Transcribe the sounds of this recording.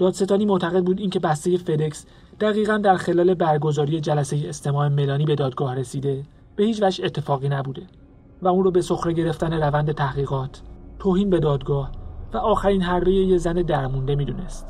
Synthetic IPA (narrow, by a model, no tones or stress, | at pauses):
d̥̪ɒːd̪se̞t̪ʰɒːniːmot̪ʰæɣe̞d̪̚buːd̪incʰe̞bæst̪e̞je̞fe̞d̪eks | d̪̥æɣiːɣænd̪æɾxe̞lɒːle̞bæɾɡo̞zɒːɾije̞d͡ʒælæse̞jeest̪ʰemɒːeme̞lɒːniːbe̞d̪ɒːd̪̚ɡɒːhɾe̞siːd̪e̞ | b̥e̞hiːt͡ʃvæʒe̞t̪ʰːefɒːɣiːnæbuːd̪e̞ | væunɾoːbe̞so̞xɾeɟe̞ɾe̞ft̪æne̞ɾævænd̪e̞t̪ʰæhɣiːɣɒːt̪ʰːoːhiːnbe̞d̪ɒːd̪ɡɒːhvæʔɒːxæɾiːnɦæɾbe̞jejezæned̪æɾmund̪e̞mid̪une̞st̪